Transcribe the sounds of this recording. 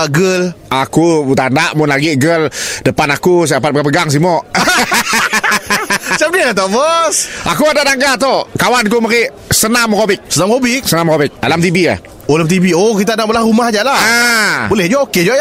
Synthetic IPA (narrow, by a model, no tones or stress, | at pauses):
ɡəlakut̪andaʔmʊnlaɡiɡəldəpanakus̬apat̪̚pəɡapəɡaŋs̬imɔʔ | t͡ʃamniat̪̬ɔbɔsʔakuadaʔdaŋɡat̪ɔkawankumaɾiʔ | sənamkobɪk̚sənamkobɪksənamkobɪk̚a̰lamt̪ibia̰h | olamt̪ibiokit̪anaʔbəlahɾumahd͡ʒalaabolɛhd͡ʒɔʔoked͡ʒɔʔja